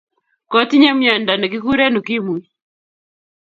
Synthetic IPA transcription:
kɔ˦ti˦ɲa˦mɲa˨nda˨nɛ˨ki˦ku˦ɾe˦nu˨ki˦mwi˦

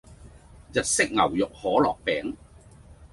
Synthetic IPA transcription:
jɐ˨t̚sɪ˥k̚ŋɐ˨˩wjʊ˨k̚hɔː˨˥lɔː˨˩k̚pɛː˨˥ŋ

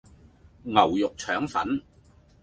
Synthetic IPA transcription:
ŋɐ˨˩wjʊ˨k̚t͡ʃʰœː˨˥ŋfɐ̰˨˥n

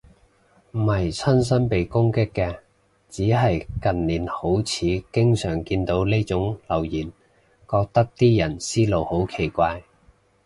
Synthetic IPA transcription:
m̩˨˩mɐ˨˩jt͡sʰɐ˥ns̬ɐ˥npe˨jkʊ˥ŋkɪ˥kːɛː˧ | t͡siː˨˥ɦɐ˨jkɐ˨nliː˨˥nho˨˥wt͡sʰiː˨˥kɪ˥ŋsœː˨˩ŋkiː˧nt̪o˨˥wle˥t͡sʊ˨˥ŋlɐ˨˩wjiː˨˩n | kɔː˧k̚t̪ɐ˥k̚t̪iː˥jɐ˨˩nsiː˥lo˨˧who˨˥wkʰe˨˩jkʷaː˧j

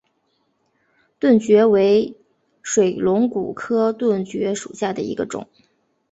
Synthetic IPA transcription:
t̪wə˥˩nt͡ɕɥɛ˧˥we˧˥ɪ | ʂwe˨˩ɪlʊ˧˥ŋku˨˩kʰɤ˥t̪wə˥˩nt͡ɕɥɛ˧˥ʂṵ˨˩ɕja˥˩d̪ə˩ḭ˧˥ɡə˧ʈ͡ʂʊ̰˨˩˦ŋ

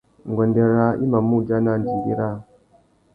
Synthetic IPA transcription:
ŋɡʷe˨nde˨ɾa˦ḭ˦ma˨mːu˦d͡ʒa˦na˦˨nd͡ʒi˨ɡḭ˦ɾa˦˨

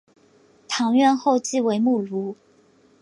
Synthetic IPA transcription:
t̪ʰɑ˧˥ŋɥɛ˥˧nxo˥˧ʊt͡ɕi˥˨we˧˥ɪmu˥˩lu˨˦

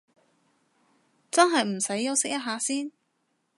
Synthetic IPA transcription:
t͡sɐ˥nɦɐ˨jm̩˨˩sɐ˨˥jːɐ˨˧wsɪ˥k̚jɐ˥t̚ɦaː˨˧siː˥n

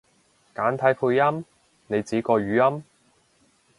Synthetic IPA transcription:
kaː˨˥nt̪ʰɐ˨˥jpʰuː˧jjɐ˥m | ne˨˧jt͡siː˨˥kɔː˧ɥyː˨˧jɐ˥m

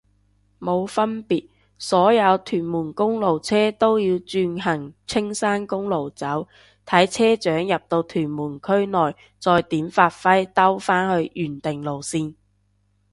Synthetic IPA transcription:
mo˨˧wfɐ˥npiː˨t̚ | sɔː˨˥jɐ˨˧wt̪ʰyː˨˩nmuː˨˩nkʊ˥ŋlo˨wt͡sʰɛː˥t̪o˥wjiː˧wt͡ʃyː˧nɦɐ˨˩ŋt͡sʰɪ˥ŋsaː˥nkʊ˥ŋlo˨˩wt͡sɐ˨˥w | t̪ʰɐ˨˥jt͡sʰɛː˥t͡ʃœː˨˥ŋjɐ˨p̚t̪o˧wt̪ʰyː˨˩nmuː˨˩nkʰɵ˥ɥnɔː˨j | t͡sɔː˧jt̪iː˨˥mfaː˧t̚fɐ˥jt̪ɐ˥wfaː˥nhɵ˧ɥjyː˨˩nt̪ɪ˨ŋlo˨˩wsiː˧n

